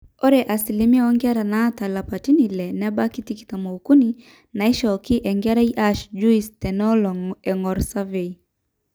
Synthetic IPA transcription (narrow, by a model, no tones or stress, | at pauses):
ɔɾɛʔasilimiaɔŋɡɛaɾanatalapatinilɛnɛbakitiki̥tamɔukuni | naiʃɔkiʔɛŋɡɛɾaiʔaʃd͡ʒuistɛnɔlɔŋɛŋɡɔɾsavei